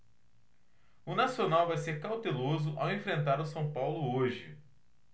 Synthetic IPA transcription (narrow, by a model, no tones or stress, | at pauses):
ʊnasionawvajseɾkawt̪elozʊʔa̰wẽfɾẽnt̪aɾʊsɐ̃w̃pawlʊoʒɪ